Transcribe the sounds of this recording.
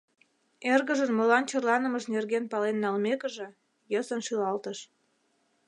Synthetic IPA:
erɣəʒənmolɑnt͡ɕərlɑnəməʃnerɣenpɑlenːɑlmekəʒĕ | jəsənʃylɑlt̪əʃ

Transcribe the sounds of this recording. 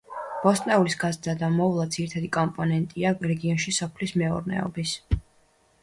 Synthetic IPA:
b̥ɔst̪ʼnɛulisɡazd̪ad̪amɔvlˠad̪ziɾit̪ʰad̪ikʼɔmpʼɔnɛnt̪ʼiaɾɛɡiɔnʃisɔpʰlismɛṵɾnɛ̰ɔ̰bis

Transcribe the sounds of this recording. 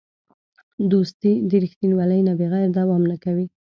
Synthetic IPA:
d̪ost̪id̪əɾixt̪inwɑləjnabeɣajɾd̪awɑmnakawi

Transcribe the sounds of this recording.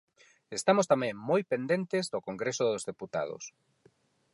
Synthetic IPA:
est̪amost̪amẽŋmojpend̪ent̪ezðʊkoŋɡɾesoðozðeput̪a̰ð̞o̰s

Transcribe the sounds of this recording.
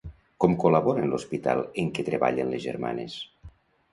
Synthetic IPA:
kɔmkoləβɔɾənlospit̪a̰lˠeŋket̪ɾeβa̰ʎenlezʒerma̰nes

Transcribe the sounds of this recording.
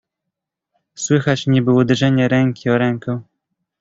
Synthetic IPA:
swɘxat͡ɕɲɛbɘud̪ɛʐɛɲɛɾɛŋkʲiɔɾɛŋkɔ̃

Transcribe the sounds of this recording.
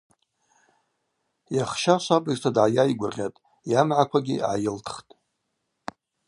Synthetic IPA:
jaχʃaʃʷabʼɨztʰadʕajajɡʷʊrʁʲatʼ | jamʕakʷʰaɡʲḭʕa̰jɪltʰχtʼ

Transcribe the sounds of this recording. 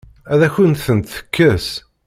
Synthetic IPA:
æðæçənθənt̪θə̥kʰːəs

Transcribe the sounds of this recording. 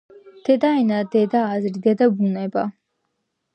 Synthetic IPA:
d̪̥ɛd̪aɛnad̪ɛd̪aːzɾid̪ɛd̪abunɛba

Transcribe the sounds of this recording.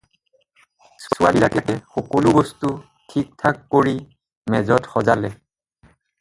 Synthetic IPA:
suʊa̰lilakɛtɛxɔkɔlubɔstu | tʰik̚tʰakːoɹi | mɛzɔtxɔzalɛ

